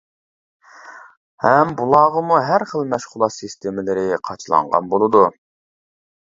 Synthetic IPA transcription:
hɛmbulˠɑːʁəmuɦæɾχəlˠmɛʃχʊlˠɑt̪sɨst̪ʰemɪlɪɾɪqʰɑt͡ʃʰlˠɑ̰ɴʁɑ̰nbolˠɨd̪u

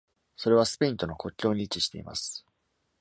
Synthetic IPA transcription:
so̞ɾe̞β̞asɨ̥pʲiĩnt̪o̞no̞ko̞kʲːo̞ːɲ̟it͡ɕiɕi̥t̪e̞̰ḭma̰sɨ̥

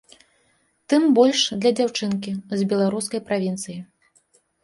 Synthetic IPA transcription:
t̪ɨmbɔlʲʂd̪lʲɐd͡zʲawt͡ʂɨnk̬ʲizbʲɛlˠaɾuskɐjpɾavʲint̪sɨji

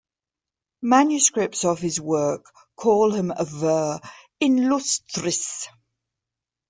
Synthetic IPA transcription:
mãnjʉskɹɪp̚tsəv̥hɪzwɜˑkʰː | ɔːlˠɪ̃məvɜː | ɪ̃nlʊstɹɪs

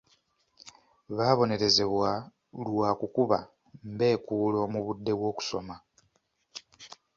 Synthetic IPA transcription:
βaːβo̞ne̞ɾe̞ze̞βwa | lwaːkukuβa̰ | mbe̞ːkuːlo̞ːmuβudːe̞βwo̞ːku̥so̞ma

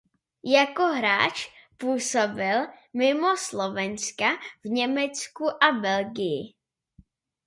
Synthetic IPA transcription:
jakoɦɾaːt͡ʃpuːso̞bɪlmɪmo̞slovɛnskavɲɛmɛt͡skuʔabɛlɡɪjɪ̰

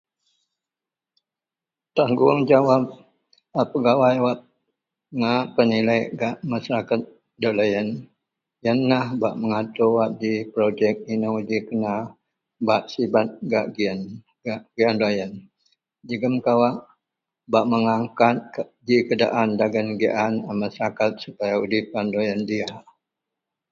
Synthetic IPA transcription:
t̪aŋɡuaŋd͡ʒawap̚ | apəɡawajwap̚ | ŋaʔpənilajɡaʔmasaɾakat̪̚ | dolajən | jənːahbaʔməŋat̪uwap̚dipɾod͡ʒɛk̚inawd͡ʒikəna | baʔsibat̪̚ɡaʔɡiən | aɡiandajən | d͡ʒəɡəmkawaʔ | baʔməŋaŋkat̪̚d͡ʒikəda̰ʔandaɡənɡḭʔanamasaɾakat̪̚supajaudipandojəndia

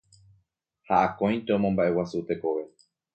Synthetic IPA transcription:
haʔakõj̃t̪eõmõmbaʔe̞wasut̪e̞ko̞ʋe̞

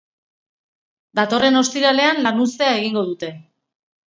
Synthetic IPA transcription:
d̪at̪o̞re̞no̞st̪iɾale̞anlanust̪e̞ae̞ɣ̞iŋɡo̞ð̞ut̪e̞

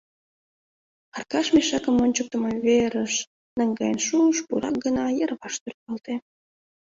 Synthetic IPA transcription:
ɑrkɑʃmeʃɑkəmonʲt͡ɕək̚t̪əməβeɾəʃ | nəŋɡɑjənʃuəʃpuɾɑ̰k̚ɡənɑjərβɑʃt̪ørt̪̚pɑlt̪e

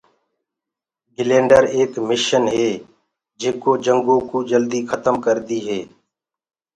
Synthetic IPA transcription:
ɡɪlẽːɳɖəɾeːkmɪʃənɦeeː | d͡ʒeːkoːd͡ʒəŋɡõːkuːd͡ʒəld̪iːkʰət̪əmkəɾd̪iːɦeː

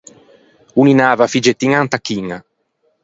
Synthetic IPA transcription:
uninaːvafid͡ʒet̪ːiŋant̪akːiŋa

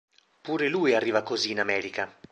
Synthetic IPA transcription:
puːɾelujarːiːvakoziːnamɛːɾika

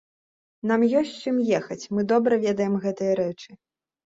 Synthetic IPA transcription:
n̪amjɔsʲt͡sʲt͡ʂɨmjɛxɐt͡sʲmɨd̪ɔbɾɐvʲɛd̪ɐjɛmɣɛt̪ɨjɐɾɛt͡ʂɨ

